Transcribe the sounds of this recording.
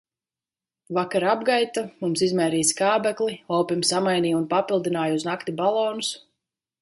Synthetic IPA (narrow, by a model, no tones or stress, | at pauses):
vakaɾabɡajt̪amumsizmɛːɾiːskaːbɛklˠiɔwpimsamajniːunpapilˠd̪inaːjuznakt̪ibalˠɔːnus